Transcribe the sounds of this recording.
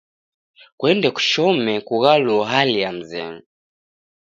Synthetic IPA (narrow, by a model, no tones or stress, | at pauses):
kwɛndɛku̥ʃɔmɛkuɣaluɔɦalijam̩zɛ̰ŋ